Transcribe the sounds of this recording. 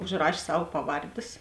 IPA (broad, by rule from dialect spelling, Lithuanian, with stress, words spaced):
ʊʒˈrɐʃʲ ˈsɐw ˈpɑːˌʋɐrʲdʲeːs